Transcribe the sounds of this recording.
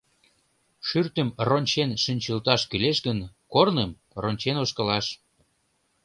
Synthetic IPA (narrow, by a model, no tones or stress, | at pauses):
ʃyrt̪ə̆mronʲt͡ɕenʃynʲt͡ɕəlt̪ɑʃkyleʃɡənkornəm | ronʲt͡ɕenoʃkə̆lɑʃ